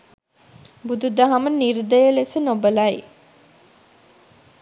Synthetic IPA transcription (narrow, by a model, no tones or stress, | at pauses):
bud̪ud̪aɦaməniɾd̪əjəlesənobəlɐj